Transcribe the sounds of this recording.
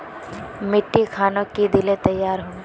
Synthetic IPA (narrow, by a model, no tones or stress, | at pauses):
mɪʈːikʰaːnõkid̪ɪlet̪ɐjːaːɾɦoː